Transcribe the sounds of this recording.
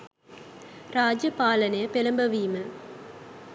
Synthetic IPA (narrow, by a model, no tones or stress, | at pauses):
raːd͡ʒjɐpaːlɐnɐjəpelɐmbɐʋiːmə